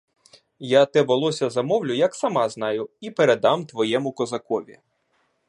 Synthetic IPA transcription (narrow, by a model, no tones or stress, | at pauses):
jat̪ɛbɔlˠɔsʲɐzɐmɔwlʲʊjɐksɐmɑznɑjʊipeɾed̪ɑmt̪ʋɔjɛmʊkɔzɐkɔʋʲḭ